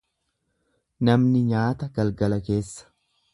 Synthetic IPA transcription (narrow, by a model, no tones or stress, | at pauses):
nɐmnɪɲaːt̪ɐɡɐlɡɐlɐke̞ːsːɐ̥